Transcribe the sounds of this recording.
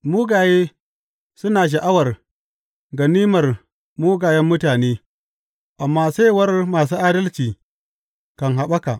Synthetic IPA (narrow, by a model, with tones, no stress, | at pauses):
muː˦ɡaː˨je˦ | su˦naː˨ʃ̬a˨ʔa˦wɐ˨ɾ | ɡɐ˨niː˦mɐ˨r | muː˦ɡa˨jɐ˦mːʊ˦taː˨neː˦ | ʔa˨mːaː˦sa˦jwɐ˦ɾmaː˨s̬u˦ʔaː˦dɐ˦lt͡ʃiː˨ | ka˨nɦa˨ɓa˦ka˨